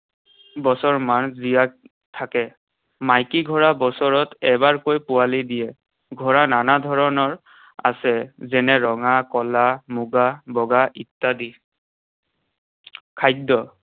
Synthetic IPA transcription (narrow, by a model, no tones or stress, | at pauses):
bɔsɔɹmanzija | tʰːakɛ | majkiɡʱɔɹabɔsɔɹɔtɛbaɹkojpʊalidijɛ | ɡʱɔɹananadʱɔɹɔnɔɹ | a̰sɛzɛnɛɹɔŋakɔlamuɡabɔɡaʔitːadi | kʰajdɔ